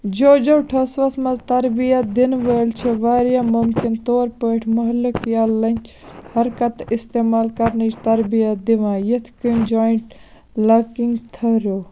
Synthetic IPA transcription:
d͡ʒoːd͡ʒɐwʈʰɐsʋɐsmɐzt̪ɐɾbijɐt̪̚d̪inʋəːlt͡ʃʰiʋaːɾjaːmʊmkɪnt̪oːɾpəːʈʰmɐɦlɨkjaːlːɐnʲt͡ʃ | hɐɾkɐt̪ɪst̪eːmaːlkɐɾnət͡ʃt̪ɐɾbijɐt̪̚d̪iʋãːjet̪ʰkind͡ʒaːɳʈ | lɐkiŋɡt̪ʰɐɾo

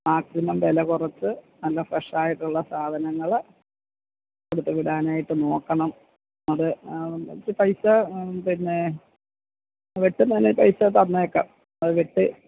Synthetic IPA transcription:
maːksinɐmʋelɐkurɐt͡ɕːɨ | nɐlːɐfrɐʂaːjiʈːuɭːɐsaːd̪ʱɐnɐŋːɐɭ | koɽut̪ːeʋiɽaːnaːjiʈːɨno̞ːkːɐɳɐm | nːɐðɨɐ̰t͡ɕːɨpɐjsɐpinːe̞ | ʋiʈːɨnɐnːepɐjsɐt̪ɐnːɐjokːe | ɐðɨʋiʈːɨ

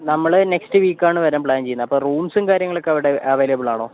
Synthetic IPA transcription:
nɐmːɐɭne̞kstɨʋiːkːaːɳɨʋɐɾaːmpɭaːnt͡ɕe̞junːɐpːoːruːmsɨmkaːɾjɐŋːɐɭokːɐʋiɽeʔɐʋeːlɐbiɭaːɳoː

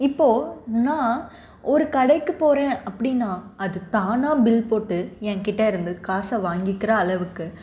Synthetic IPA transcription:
ɪpːoːnãː | ɔɾɯkɐɽɐɪkːɯpoːɾẽːɐpːɐɽɪnːaːɐðɯt̪aːnaːbɪlpoːʈːɯɛ̃ːŋkɪʈːɐɪɾɯnd̪ɯkaːsɐʋaːŋɡɪkːɪɾɐːlɐʋɯkːɯ

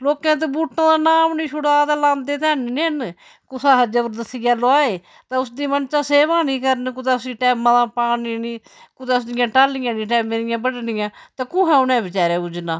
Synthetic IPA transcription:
loːkɛ̃ːt̪̬eːbuːʈʰnãːd̪aːnaːmnĩːʃʰʊɽaːt̪aːlãːnd̪eːt̪ɛːnːniːən | kʊsaːɦəd͡ʒaːpəɾd̪əsijaːloaːeː | t̪ãːʊsd̪iːmənt͡ʃãːseːʋãːnĩːkəɾənkʊt̪aːsĩːʈɛːmãːd̪ãːpaːniniː | kʊt̪aːsd̪ɪjãːʈaːlɪjãːnĩːʈɛːmẽːnɪjãːbəɽnɪjãːt̪aːkʊ̃ːɦɛ̃ːʊnɛ̃ːbɪt͡ʃaːɾeːʊd͡ʒnaː

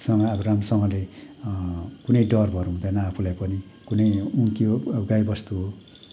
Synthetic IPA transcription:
sʌŋʌːbʌramsʌŋɡʌle | kunʌjɖʌrbʱʌɾuɦũnd̪ʌnʌːpʰulajpʌni | kunʌjuŋkioɡajbʌst̪uɦo

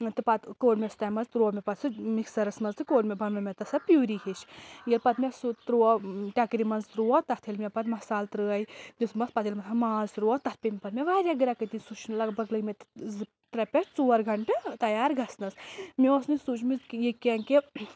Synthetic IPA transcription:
t̪ɨpɐt̪koːɖmʲest̪ɐːjmɐzt̪ɾuɔmʲepɐt̪sɨmiksɐɾɐsmɐnzt̪ɨkoːɖmʲebʱɐnnɐmʲet̪ɐsɐpʲjuːɾikit͡ʃjilpɐt̪mʲesut̪ɾuɔʈʲakɾimɐnzɾuɔt̪ɐt̪ʰilmʲepɐt̪mɐsaːlt̪ɾɨɐjd̪ismɐspɐt̪ilmɐt̪ʰɐmaːzɾuɔt̪ɐt̪pʲimʲpɐt̪mʲeʋaɾʲjaɡɨɾakɐt̪insut͡ʃnlɐɡbɐɡlɐjmʲet̪zɨ | t̪ɾɐpʲɐt͡ʃt͡suɐɾɡʱɐɳʈɨt̪ɐjaːɾɡʱɐsnɐsmiʋɐsnɨsut͡ʃmizkjikenke

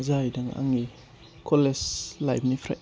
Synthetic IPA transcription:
zajdaŋa̰ŋi | kʰoleslajp̚nipʰɾa̰j

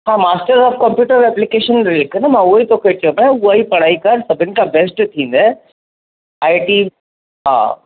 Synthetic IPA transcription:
ɦãːmaːsʈəɾzɔːfkɐmpjuːʈəɾɛːplikeːʃənɾelknəmãuit̪okʰet̪iõmẽuaipɐɽ̤̃aːikɐɾsɐbʱɪnɪ̆kabɛsʈt̪ʰĩːn̆d̪e | aːiʈi | ɦã̰

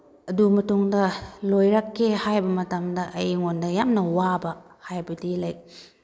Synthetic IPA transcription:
ɐdumɐtuŋdɐlojɾakʰːehajbɐmɐtamdɐʔɐjŋondɐjamnɐwabɐ | hajbɐdilajk̚

